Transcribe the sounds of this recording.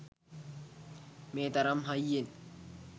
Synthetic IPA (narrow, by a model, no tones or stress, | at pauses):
meːt̪ɐɾɐmɦɐjːin